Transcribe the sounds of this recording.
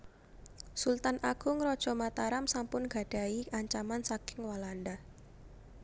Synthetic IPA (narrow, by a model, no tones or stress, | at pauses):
sult̪anʔaɡ̥ʊŋɾɔd̥ʒ̥ɔ̤mat̪aɾamsampʊnɡ̥a̤ɖ̥a̤iaɲt͡ʃamansakɪŋwalanda